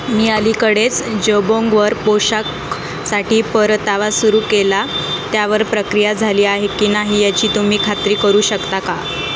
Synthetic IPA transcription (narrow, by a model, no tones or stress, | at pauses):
miːəlikəɽet͡sd͡ʑəbõŋɡʋəɾpoɕak | saʈiːpəɾt̪aʋasuɾuːkelat̪jaʋəɾpɾəkɾijad͡zʱaliːaɦekiːnaɦijat͡ɕiːt̪um̤iːkʰat̪ɾiːkəɾuːɕəkt̪aka